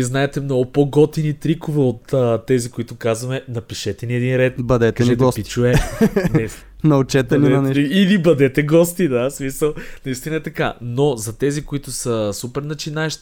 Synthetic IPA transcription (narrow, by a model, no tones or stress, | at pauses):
iznaɛt̪ɛmnɔɡʊpoɡɔt̪init̪ɾikʊvɛot̪ət̪ːɛzikoit̪ʊkazvɐmɛnɐpiʃɛt̪ɛniɛd̪inɾɛt̪bɐd̪ɛtkɛnɛɡ̪ɔspit͡ʃuɛnɛs | nɐʊt͡ʃɛt̪ɛninɐnɛilibɐd̪ɛt̪ɛɡɔst̪id̪asmisəlˠnɐist̪inɐɛt̪ɐka̰nozɐt̪ɛzikoit̪ʊsɐsupɛɾnɐt͡ʃinaɛʃt̪i̥